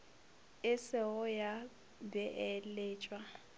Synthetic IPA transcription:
ɪsɪʊja | bɛʔɛleːt͡ʃʼwa

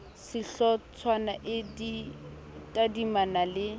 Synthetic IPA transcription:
sɪɬɔt͡sʰwanaʔɪdi | tʼadimanalɪ

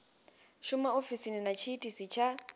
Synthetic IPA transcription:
ʃʊmaofisininat͡ʃʰiːtʼisit͡ʃʰa

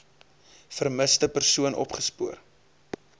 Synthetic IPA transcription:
fərməstəpərsuənʔɔ̰pχəspuər

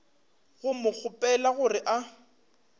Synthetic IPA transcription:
ɣʊmʊk͡xʰʊpʼɛlaɣʊrɪʔa

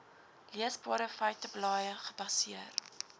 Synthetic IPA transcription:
liəsbɑːɾəfœɥtəblɑːjəχəbɐsiər

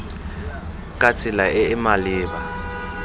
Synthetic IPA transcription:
kʼat͡sʰilaʔɛːmaliːɓa

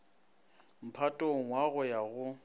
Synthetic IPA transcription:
m̩pʰatʼoŋ̩waɣʊjaɣʊ

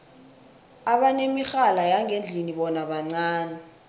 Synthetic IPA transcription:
aɓanemixalajaŋend͡ɮʱiniɓɔnaɓaŋ͡ǀaːnɛ

